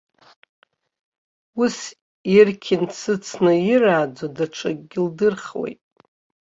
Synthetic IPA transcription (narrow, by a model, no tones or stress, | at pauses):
us | irkʲʰɪnsʰɨt͡sʰnɨiraːd͡zadaʈ͡ʂʷʰʼaɡʲɪldɨrχwḛjtʼ